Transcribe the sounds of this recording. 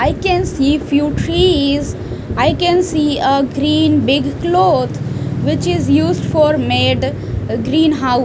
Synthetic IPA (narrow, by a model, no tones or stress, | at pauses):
aɪkɛ̃nsiːfjuːʈʰɾiːz | aɪkɛ̃nsiːəɡɾĩːnbɪɡkloːt̪ʰʋɪt͡ʃɪzjuːzɖfɔːɾmeɖ | ɡɾĩːnɦaʊ